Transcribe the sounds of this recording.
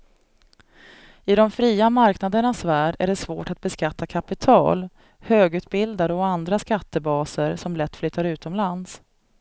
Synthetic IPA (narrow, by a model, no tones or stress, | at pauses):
ɪd̪ɔmfɾiːamaɾknad̪əɳasvæːɖæ̰ɖɛsvo̰ːʈat̪̚bɛskat̪ːakʰapɪt̪ʰɑ̰ːl | høːɡʉ̟ːt̪̚bɪld̪ad̪əɔand̪ɾaskat̪ːəbɑːsəɾsɔmlɛt̪ːflʏt̪ʰːaɾʉ̟ːt̪ɔmlans